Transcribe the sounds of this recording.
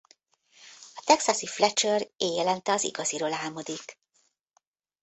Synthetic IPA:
ɒt̪ɛksɒsiflɛt͡ʃøreːjɛlɛnt̪ɛɒzḭɡɒziɾo̞laːlmod̪ik

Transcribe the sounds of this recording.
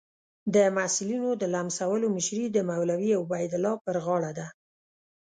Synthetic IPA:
d̪əmasɪlinod̪əlamsawəlomɪʃɾid̪əmawlawiawbajd̪ɪlɑpəɾɣɑɽad̪a

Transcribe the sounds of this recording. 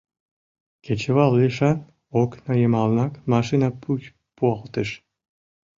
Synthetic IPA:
kʲʰet͡ɕəβɑlˠːeʃɑn | oknɑjəmɑlnɑkmɑʃinɑpuj | puɑlˠt̪əʃ

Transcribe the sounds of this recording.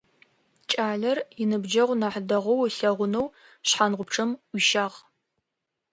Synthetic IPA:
t͡ʃʼaːɮɐrjɪnɨbd͡ʒɐʁʷnaħdɐʁɐwɬɐʁʷʊnow | ɕħanʁʷʊp̚ʈ͡ʂʰɨmwʷiʃaːʁ

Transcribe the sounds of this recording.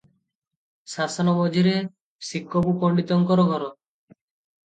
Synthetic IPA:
sasɔnɔmɔd͡ʒʱiɾe | sikːɔbupɔɳɖit̪ɔŋkɔɾɔɡɔɾɔ

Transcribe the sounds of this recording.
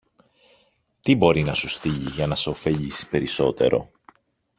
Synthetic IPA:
t̪ibo̞ɾinɐsusθiʎiʝɐnɐseofe̞ʎisi̥pe̞ɾiso̞t̪e̞̰ɾo̞̰

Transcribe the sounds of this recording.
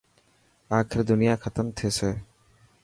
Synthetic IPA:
akʰɾd̪unijakʰat̪əmt̪ʰiesʰe

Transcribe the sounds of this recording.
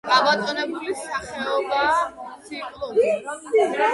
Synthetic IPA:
kʼabat̪ʼɔnɛbulisaχɛɔbaːt̪sʰipʼlˠuɾi

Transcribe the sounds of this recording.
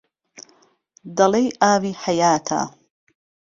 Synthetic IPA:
d̪ɐlejʔaːwiːħajaːt̪ʰa̰ː

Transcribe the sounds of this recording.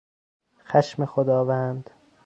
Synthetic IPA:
xæʃmexod̪ɒːvænd̪̥

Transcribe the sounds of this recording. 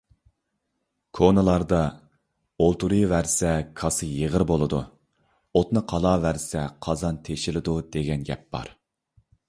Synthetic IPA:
kʰonɨlˠɑɾd̪ɑ | olˠt̪uɾɨvæɾsɛkʰɑsɨjəʁəɾbolˠɨd̪u | ot̪nɨqʰɑlˠɑːvæɾsɛqʰɑzɑnt̪ʰeʃɪlɪd̪ud̪̥eɡʲɛnɡʲɛ̰p̚b̥ɑ̰ɾ

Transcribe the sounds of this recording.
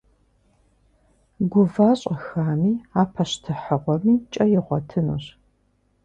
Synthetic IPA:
ɡʷʊvaːɕʼɐxaːmiːaːpʰɐʃtʰɨħəʁʷɔmiːt͡ʃʼɐjɪʁʷɔtʰɨnṵɕ

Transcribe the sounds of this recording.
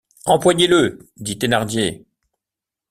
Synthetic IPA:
ɑ̃pwaɲeləd̪it̪enaʁd̪je

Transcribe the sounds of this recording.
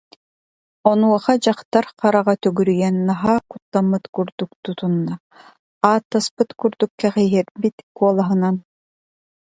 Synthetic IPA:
ɔnuɔχad͡ʑaχt̪aɾqaɾaʁat̪œɡyɾyjɛnːaɦaːkut̪ːamːɯt̪kuɾd̪uk̚t̪ut̪unːa | aːt̪ːaspɯt̪kuɾd̪ukːɛχɛɦɛɾbit̪kuɔlˠaɦɯnan

